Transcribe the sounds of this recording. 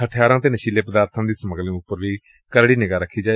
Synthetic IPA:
əʈʰjaːɾãːt̪eːnəʃiːleːpəd̪aːɾt̪ʰãːd̪iːsəməɡəlĩːʊpːəɾʋiː | kəɾɽiːnɪɡaːɾəkʰːiːd͡ʒaː

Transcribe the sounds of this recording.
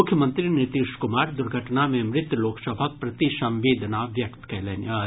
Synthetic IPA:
ʊkʰjəmə̃nt̪ɾinɪt̪iʃkʊmaːɾd̪ʊɾɡʱəʈnamẽmɾɪt̪jloːksəbʱak̚pɾɐt̪iʃɐ̃mʋeːd̪ʱnaʋjɐkt̪kɛːleːna

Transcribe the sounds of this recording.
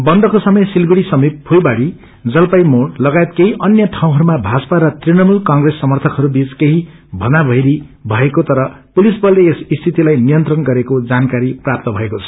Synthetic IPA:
bʌnd̪ʌkosʌmʌjsilɡuɽisʌmip̚pʰojbaɽi | d͡zʌlpajmoɽlʌɡaet̪keɦiʔʌnjʌʈʰaw̃ɦʌɾumabʱad͡zpaɾʌt̪rinʌmulkʌŋɡresːʌmʌrt̪ʰʌkɦʌɾubit͡skeɦi | bʱʌnabʱʌjɾibʱʌekot̪ʌɾʌ | pulisbʌleesist̪ʰit̪ilajnijʌnt̪rʌnɡʌɾekod͡zankaɾiprap̚t̪ʌbʱʌekot͡sʰʌ̥

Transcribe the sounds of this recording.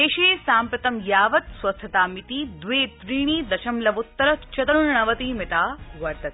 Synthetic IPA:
eːʃeːsaːmpɾɐt̪ɐmjaːʋɐt̪swɐst̪ʰɐt̪aːmit̪iːd̪ʋeːt̪ɾiːɳ̃iːd̪ɐʃɐmlɐʋut̪ːɐɾɐt̪t͡ʃɐt̪ɐɽuɳɳɐʋɐt̪iːmɪt̪aːʋɐɾt̪ɐt̪

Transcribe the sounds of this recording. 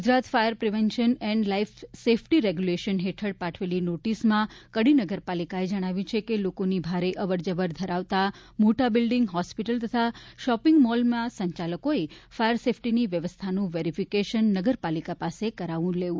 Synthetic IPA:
ɡud͡ʒɾat̪fajəɾpɾiʋɛnʃənɛɳɖlaifsefʰʈiɾeɡjuleʃənɦeʈʰəɽpaʈʰʋelinoʈismãkəɽinəɡəɾpalikaed͡ʒəɽ̃aʋjũt͡ʃʰekelokonibʱaɾeʔəʋəɾd͡ʒəʋəɾd̪ʱəɾaʋt̪a | moʈabɪlɖɪŋɡɦɔspiʈəlt̪ət̪ʰaʃɔpɪŋɡmɔlmãsə̃ɲt͡ʃaləkoefajəɾsefʰʈiniʋjəʋəst̪ʰanũʋeɾifʰikeʃənːəɡəɾpalikapasekəɾaʋũleũ

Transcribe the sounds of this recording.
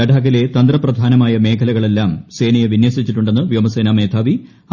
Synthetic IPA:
ɐɖʱaːɣile̞t̪ɐnd̪rɐprɐd̪ʱaːnɐmaːjɐme̞ːkʰɐlɐɣɐɭe̞lːaːmse̞ːnɐjɐʋinjɐsit͡ɕːiʈːuɳɖe̞nːɨʋjomɐseːnaːme̞ːd̪ʰʱaːʋi

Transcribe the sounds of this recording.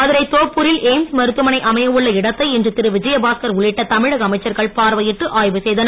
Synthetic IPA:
ɐðɪɾɐɪt̪oːpːʊɾɪlʔeːmsmɐɾɯt̪ːɯmɐnɐɪʔɐmɐjɐʋɯɭːɐɪɽɐt̪ːɐɪɛndrɯt̪ɪɾɯʋɪd͡ʒɐjɐbaːskɐɾʊɭɪʈːɐt̪ɐmɪɻɐɣɐɐmɐɪt͡ʃːɐɾɣɐɭpaːɾʋɐjɪʈːɯʔaːjʋɯsɛjðɐnɐ

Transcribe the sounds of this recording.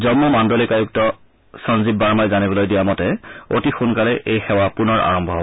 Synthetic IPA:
zɔmːɔmandɔlikajuk̚tɔ | sɔnzibːaɹmajzanibɔlojdijamɔtɛotixunkalɛʔejxɛwapunɔɹʔa̰ɹɔmbʱɔɦɔb

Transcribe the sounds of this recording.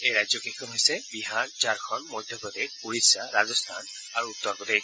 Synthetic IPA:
ejɹajzjɔkekʰɔnɦojsɛbiɦaɹd͡ʒaɹkʰɔnmojd̪ʱjɔpɔd̪ek̚puɹisaɹazɔst̪ʰa̰n | aɹuːt̪ːɔɹpɔd̪e

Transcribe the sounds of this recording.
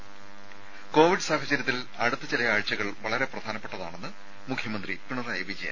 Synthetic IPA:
ko̞ːʋiɖɨsaːhɐt͡ɕɐɾjɐt̪ːil | ɐɽut̪ːɨt͡ɕelɐjaːɻt͡ɕːɐɣɐɭʋɐɭɐɾe̞prɐd̪ʱaːnɐpːe̞ʈːɐða̰ːɳe̞nːɨ | mukʰjɐmɐnd̪ripiɳɐrɐjʋid͡ʑija̰

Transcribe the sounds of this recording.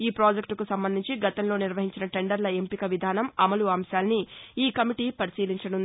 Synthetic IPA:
iːpɾoːd͡ʒekʈkusɐmbɐnd̪ʱiɲt͡ʃiɡɐt̪ɐmlo̞ːniɾʋɐɦiɲt͡ʃinɐʈe̞ɳɖɐɾlɐe̞mpikɐʋid̪ʱaːnɐmɐmɐluɐːmʃaːlɐniiːkɐmiʈiːpɐɾisiːliɲt͡ʃɐɽun

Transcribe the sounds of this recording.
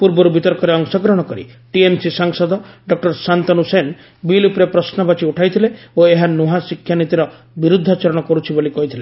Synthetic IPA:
puɾbɔɾubit̪ɔɾkɔɾeɔŋsɔɡɾɔɦɽ̃ɔkɔɾḭʈiemsisaŋsɔd̪ɔɖɔk̚ʈɔɾsant̪ɔnusen | bilupɾepɾɔsnɔbat͡ʃiuʈʰajt̪ʰileoeɦanuɦasikʰjanit̪iɾɔ | biɾud̪ʱːɔt͡ʃaɾɔɽ̃ɔkɔɾut͡ʃʰibolikɔɦit̪ʰile

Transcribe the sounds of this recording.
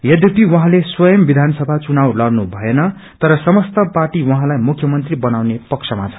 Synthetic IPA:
jʌd̪ʱjek̚t̪iwʌɦãleswʌjʌmbid̪ʱanʌsʌbʱat͡sunawlʌrnubʱʌenʌ | t̪ʌɾʌsʌmʌst̪ʌparʈiwʌɦãlajmukʰjʌmʌnt̪ribʌnawnepʌksʰʌmat͡sʰʌ̥

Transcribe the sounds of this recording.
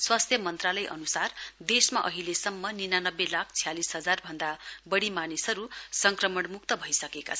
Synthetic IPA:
swast̪ʰjʌmʌnt̪ralʌjʔʌ̰nusard̪esmaʔʌɦilesʌmːʌninanʌbːelakʰt͡sʰijalisɦʌd͡zarbʱʌnd̪abʌɽimanisʌɾusʌŋkrʌmʌɳmuk̚t̪ʌbʱʌisʌkeka̰t͡sʰʌ

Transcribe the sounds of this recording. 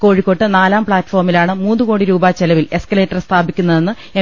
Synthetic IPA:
ko̞ːɻikːo̞ʈːɨnaːlaːmpɭaːtːfo̞ːrmilaːɳɨmuːnːuko̞ːɽiɾuːbaːt͡ɕelɐʋile̞skɐle̞ːtːɐrst̪ʰaːbikʲːunːɐðe̞nːɨ | e

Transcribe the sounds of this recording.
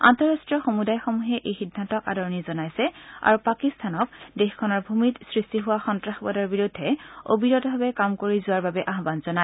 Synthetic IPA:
a̰ntɔɹastɹijɔxomudajxomuɦɛʔejxidʱːantɔka̰dɔɹɔnizɔnajsɛa̰ɹupakistʰanɔk̚dexkʰɔnɔɹbʱumitsɹistiɦʊwaxɔntɹaxbɔdɔɹbiɹudʱːɛo̰biɹɔtbʱabɛkamkoɹizʊwaɹbabɛʔaɦbanzɔna

